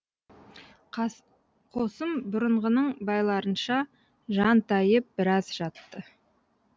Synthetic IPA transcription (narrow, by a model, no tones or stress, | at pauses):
qʰo̞səmbʊɾəɴʁənəɴbɑjlˠɑɾənʃɑ | ʒɑnt̪ʰɑjəp̚b̥ɪɾɑzʒɑt̪ːə